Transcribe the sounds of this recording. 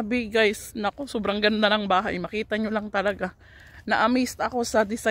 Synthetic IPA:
bɪɡajsnɐko̞sobɾɐŋɡɐnd̪anɐŋbaːɦa̰jmɐkiːt̪ɐɲolaŋt̪ɐlɐɡa | nɐʔɐmist̪ɐko̞sɐd̪ɪsa

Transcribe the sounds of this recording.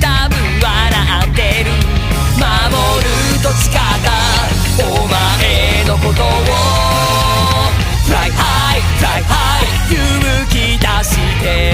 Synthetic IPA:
t̪abɯ̟̃wa | ɾaʔant̪eɾɯ̟ | ma | moɾɯ | t̪oɕi̥kat̪a | omaʔe | no̞kot̪o | o | saha | i | saiha | i | jɯ | mɯkʲid̪aɕit̪e

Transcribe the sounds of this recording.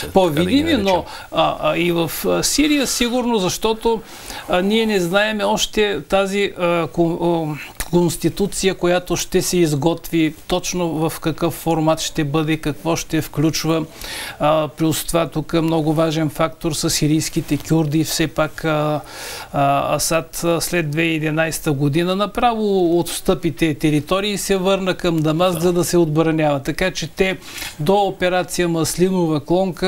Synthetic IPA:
povid̪imino | ivɐfsiɾijəsiɡʊɾnozɐʃt̪ɔt̪o | niɛnɛznaɛmɛɔʃt̪ɛt̪aziəko | konst̪it̪ut̪sijəkojat̪oʃt̪ɛsɛizɡɔt̪vit̪ɔt͡ʃnovɐfkɐkɤfːoɾmat̪ʃt̪ɛbɤd̪ɛkɐkvɔʃt̪ɛfklʲut͡ʃvə | plɾʲust̪ovat̪ukəmnɔɡʊvaʒɛnfakt̪oɾsɐsiɾijskit̪ɛkʲuɾd̪ifsɛpak | ɐsat̪slɛd̪ːvɛɛd̪inajst̪əɡod̪inənɐpɾavoot̪st̪ɤpit̪ɛt̪ɛɾit̪ɔɾiːsɛvɤɾnəkɐmd̪ɐmaskzɐd̪ɐsɛod̪bɾɐnʲavɐt̪ɐkat͡ʃɛt̪ɛ | d̪oːpɛɾat̪sijəmɐslinovɐklˠɔŋkə

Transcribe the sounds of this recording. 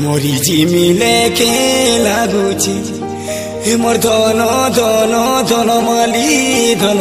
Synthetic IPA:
moɾid͡ʒimilekʰelaɡ̪ut͡ʃʰi | moɾd̪ʱɔnɔd̪ʱɔnɔd̪ʱɔnɔmalid̪ʱɔnɔ

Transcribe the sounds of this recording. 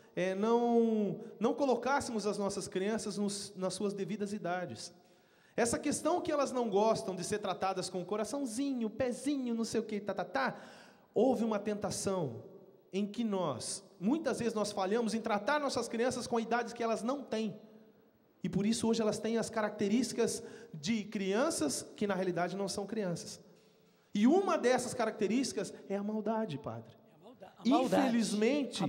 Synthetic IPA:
ɛnɐ̃w̃nɐ̃w̃kolokasɪmʊzɐznɔsɐskɾiɐ̃sɐznʊsnɐsːuɐzd̪evid̪ɐzid̪ad͡ʒɪs | ɛsɐkest̪ɐ̃w̃kɪɛlɐznɐ̃w̃ɡɔst̪ɐ̃w̃d͡ʒɪseɾt̪ɾat̪ad̪ɐskõʊkoɾasɐ̃w̃zĩɲʊpɛzĩɲʊnɐ̃w̃sejʊket̪at̪at̪a | owvɪũmɐt̪ẽnt̪asɐ̃w̃ | ẽj̃kɪnɔsmũj̃t̪ɐzvezɪznɔsfaʎɐ̃mʊzẽt̪ɾat̪aɾnɔsɐskɾiɐ̃sɐskõɐid̪ad͡ʒɪskɪɛlɐznɐ̃w̃t̪ẽj̃ | ɪpoɾisʊoʒɪɛlɐst̪ẽj̃ɐskaɾak̚t̪eɾiʃt͡ʃɪ̥kɐzd͡ʒɪkɾiɐ̃sɐskɪnɐɦealid̪ad͡ʒɪnɐ̃w̃sɐ̃w̃kɾiɐ̃sɐ̥s | ɪũmɐd̪ɛsɐskaɾak̚t̪eɾist͡ʃi̥kɐzɛɐmawd̪ad͡ʒɪpa̰d̪ɾɪ | ĩelizmẽnt͡ʃɪ

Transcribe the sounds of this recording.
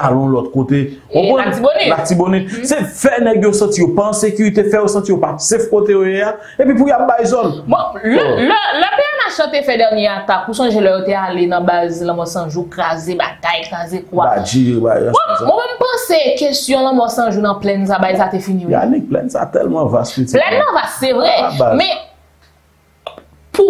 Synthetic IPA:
alɔ̃lɔt̪kot̪e | õpɔ̃atibonilatibonisefɛnɛɡjosɐ̃tijopãːsekyɣit̪efɛjosɐ̃tijopasefkot̪ejojea | epip̬ujap̚bajzɔnbɔ̃llɛlɛbeanasɔ̃t̪efɛd̪ɛʁnjɛat̪akusɔ̃ʒelɔjot̪ealenɐ̃bazlɐ̃mɔsɐ̃ʒukʁazeba̰ɡajkʁazekwaad͡ʒiba̰j̰̃mɛ̃smɛ̃mɛmpɐ̃sekestjɔ̃lɐ̃mɔsɐ̃ʒunɐ̃plɛns̬abajsat̪efinija̰liplɛ̰nsa̰t̪ɛ̰lmɑ̃va̰stkøtplɛnːɐ̃vassevʁɛaamɛ̃ | pu

